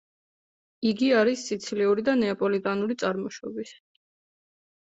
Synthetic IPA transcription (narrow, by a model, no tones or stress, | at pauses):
iɡiaɾisːit̪sʰliuɾid̪anɛapʼɔlit̪ʼanuɾit̪sʼaɾmɔʃɔbis